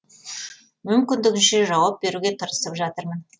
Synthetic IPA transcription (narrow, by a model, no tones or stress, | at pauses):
mʏmkʲɪnd̪ɪɡʲɪnʃeʒɑwɑp̚be̞ɾuɡʲe̞t̪ʰəɾəsəpʒɑt̪əɾmən